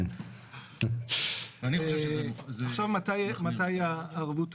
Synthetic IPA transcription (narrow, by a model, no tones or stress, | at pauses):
n | anioeʃzaχʃavmatajmatajaːʁvut